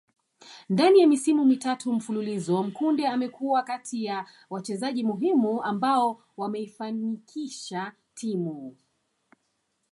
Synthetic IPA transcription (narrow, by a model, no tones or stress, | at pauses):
ndanijamisimumitatʰum̩fululizɔm̩kundɛamɛkuwakatʰija | wat͡ʃɛzaʄimuɦimuambaɔ | wamɛifanikʰiʃa | tʰimu